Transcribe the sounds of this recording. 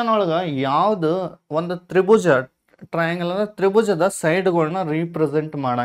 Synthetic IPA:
ɐnoɭɐɡɐjaːʋɐd̪ɯond̪ut̪ɾibud͡ʒɐ | ʈɾɐjɐŋɡɐɭːɐd̪ɐt̪ɾibud͡ʒɐd̪ɐsɐjɖɡɐɭnːɐɾiːpɾeseɳʈmaːɽaː

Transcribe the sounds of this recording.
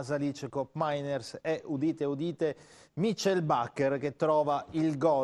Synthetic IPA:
zalit͡ʃekopmajnɛrsɛʔud̪iːt̪eud̪iːt̪e | mit͡ʃːɛlbakːerk̟et̪ːɾɔːvailɡɔ

